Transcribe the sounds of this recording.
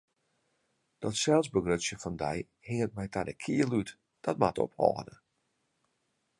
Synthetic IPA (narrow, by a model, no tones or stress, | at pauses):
d̥ɔtsɛlˠsbəɡrøtsjəfɔndɛ̰j | hɪŋət̚mɛjtadə̰kʰiəlyt | d̥ɔt̚matɔ̰phɔ̰ːdə̰